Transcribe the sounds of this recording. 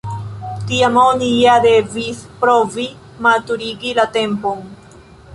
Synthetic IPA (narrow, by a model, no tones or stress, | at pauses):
tiamoniade̞vispɾovi | matuɾiɡilate̞mpo̞n